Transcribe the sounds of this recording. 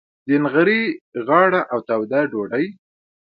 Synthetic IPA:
d̪ənɣaɾiɣɑɽaʔawt̪awd̪aɖoɖaj

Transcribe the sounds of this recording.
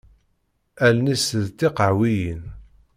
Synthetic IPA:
ælnisðt̪ːiqəʕwijin

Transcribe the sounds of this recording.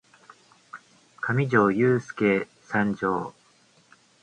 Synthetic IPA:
kʰamʲid͡ʑo̞ːjɯːsɨ̥keː | sãɲd͡ʑoː

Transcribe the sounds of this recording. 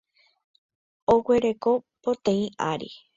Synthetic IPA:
owe̞ɾe̞ko̞pot̪ẽĩaɾḭ

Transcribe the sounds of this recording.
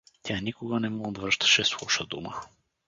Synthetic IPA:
t̪ʲjanikʊɡənɛmɔɡd̪vɾəʃt̪ə̥ʃɛslˠuʃəd̪ṵmə̰

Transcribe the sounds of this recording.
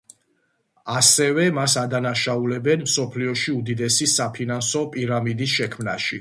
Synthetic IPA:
asɛvɛmasad̪anaʃaulɛbɛnmsɔpʰliɔʃiud̪id̪ɛsisapʰinansɔpʼiɾamid̪isʃɛkʰmnaʃi

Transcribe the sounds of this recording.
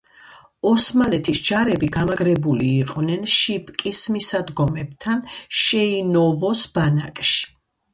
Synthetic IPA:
ɔsmalɛt̪ʰisd͡ʒaɾɛbiɡamaɡɾɛbuliːqʼvnɛnʃipʼkʼismisad̪ɡɔmɛb̚t̪ʰanʃɛinɔvɔsb̥ana̰kʼʃi̥

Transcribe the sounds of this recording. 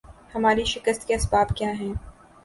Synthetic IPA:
hɐmaːɾiʃɪkəst̪keɐsbaːbkjaːɦɛː

